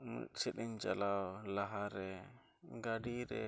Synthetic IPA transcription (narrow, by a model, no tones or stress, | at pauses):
sɛɗiɲt͡ʃalawlaɦaɾɛ | ɡaɖiɾɛ̰